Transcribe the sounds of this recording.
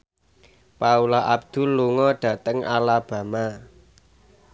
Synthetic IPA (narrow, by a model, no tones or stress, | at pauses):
paulaʔab̚d̪̥ṳllːuŋɔɖ̥ä̤t̪əŋalab̥ä̤ma